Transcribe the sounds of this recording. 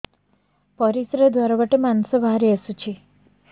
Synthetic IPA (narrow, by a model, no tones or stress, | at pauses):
pɔɾisɾed̪waɾaʋaʈemansɔbaɦɾiəsut͡ʃʰi